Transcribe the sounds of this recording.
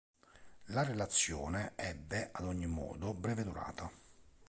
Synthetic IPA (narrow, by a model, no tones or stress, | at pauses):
larelat̪sːjɔːneɛbːeʔad̪ɔɲːimːɔ̰ːd̪obɾɛːved̪uɾa̰ːt̪ʰa